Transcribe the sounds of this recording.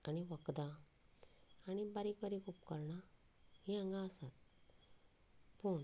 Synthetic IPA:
aɽ̃iʋəkd̪a | aɽ̃ibaɾikbaɾikupkəɾɳa | hiãŋɡaəsat̪̚ | puːɳ

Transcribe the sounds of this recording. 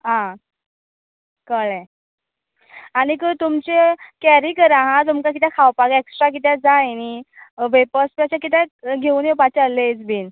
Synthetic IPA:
ɦã | kəɭẽ | aɽ̃ikət̪umt͡ɕekɛɾikəɾãɦãt̪̬umkak̬it̪ɛ̃kʰawpaɡeksʈɾak̬it̪̬ɛd͡zaeniʋepəspaɕakit̪̬ɛ̃ɡʱeuːnepat͡ɕəled͡zbin

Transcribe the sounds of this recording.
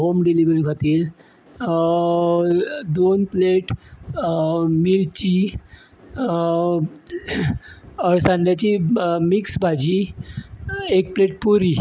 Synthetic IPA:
ɦomɖeliʋɾiɡʱat̪iːl | d̪onpleʈ | miɭt͡ɕi | əɭsãnd̪jat͡ɕimiksbʱad͡ʑi | ek̚pleʈ̚puɾiː

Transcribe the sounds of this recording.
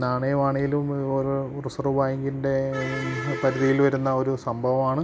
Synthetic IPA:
naːɳɐjɐmaːɳejilumoɾ | rɨsɐrubaːjiŋɡinde̞ | pɐɾuðijilʋɐɾunːɐo̞ɾusɐmbʱɐʋɐmaːɳɨ

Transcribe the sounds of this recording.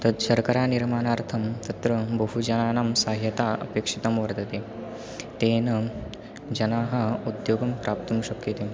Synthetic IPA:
t̪ɐd̪ʃɐɾkɐɾaːniɾmaːnaːɾt̪ʰɐmt̪ɐt̪ɾɐbɐɦud͡ʒɐnaːnaːmsaːɦjɐt̪aːɐ̰peːkʂit̪ɐmʋɐɾd̪ɐt̪eː | t̪eːnɐ | d͡ʒɐnaːɦɐud̪joːɡɐmpɾaːp̚t̪uːnʃɐkjɐt̪eː

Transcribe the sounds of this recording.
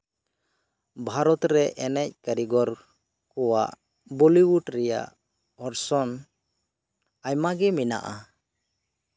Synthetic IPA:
bʱaɾɔt̪ɾɛʔɛnɛc̚kəɾiɡɔɾ | kɔwa̰ʔ | bɔliwuʈɾɛja̰ʔ | ɔɾsɔn | ajmaɡɛmina̰ʔa

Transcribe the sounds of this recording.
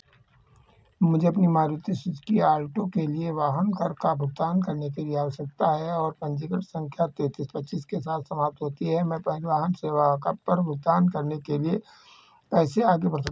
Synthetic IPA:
mʊd͡ʒʱeɐpnimaːɾɪt̪isʊd͡ʒ̪kiaːlʈõkelieʋaːɦənkəɾkabʱʊɡ̚t̪aːnkɐɾnekelieaːsək̚t̪aɦɛɔːɾpɐ̃nd͡ʒɪkəʈsə̃ŋkʰjat̪eːt̪iːspətːt͡ʃiskesaːt̪ʰsɐmaːp̚t̪ɦoːt̪iɦɛmɛ̃ːpʋaːɦənseːʋakɐpːɐɾbʱʊɡ̚t̪aːnkɐɾnekelie | pɛːseaːɡepɐɾsɐ

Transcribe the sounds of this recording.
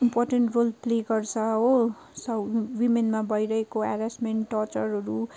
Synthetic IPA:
imporʈenʈrolpleɡʌrt͡sʰʌɦo | sʌwimenmabʌjɾʌɦekoaɾasʈmeɳʈʈːɔt͡sʌɾɦʌɾu

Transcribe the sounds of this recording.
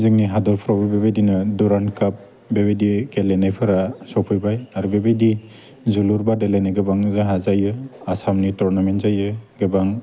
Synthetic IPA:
zɯŋniɦadɔɾpʰɾɔbɯbebajdinɯduɾankap̚ | bebejdikelenajpʰɯɾasɔpʰɯjbajaɾubebejdi | zuluɾbadelenajɡɯbaŋzaɦazajɯasamnitɔɾnamentzajɯɡɯbaŋ

